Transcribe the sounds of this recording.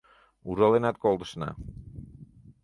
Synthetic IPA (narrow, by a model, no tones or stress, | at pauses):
uɾɔlɛnat̪̚kɔlˠd̪sna̰